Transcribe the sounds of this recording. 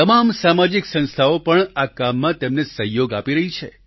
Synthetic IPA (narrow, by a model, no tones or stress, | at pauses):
t̪əmamsamad͡ʒiksə̃nst̪ʰaopəɳakamːãt̪emnesəɦjoɡapiɾəɦit͡ʃʰḛ